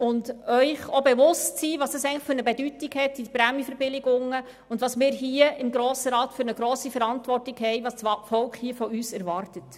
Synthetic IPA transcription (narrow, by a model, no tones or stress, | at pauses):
ʊndœʏχobeʋʊstsiːʋɑːsəsɛɪŋ̩nləχfɵɾnəbɛdytiɡhɛtːipɾæmjəfɛɾbɪlɪɡʊŋə | ʊndʋɑːsmɪːɾɦiəɪmɡɾoːsəɾɑːtfʏɾnəɡɾoːsifɛɾɑntʋɔrtɪɡhɛɪʋɑːsɑfɔlkχhiəfɔyːsɛɾʋɑɾtət